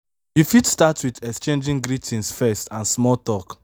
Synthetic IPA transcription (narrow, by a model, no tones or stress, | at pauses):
jifitstatwidɛkst͡ʃẽnd͡ʒĩŋɡɾitʰĩnsfɛstãnsmɔltɔk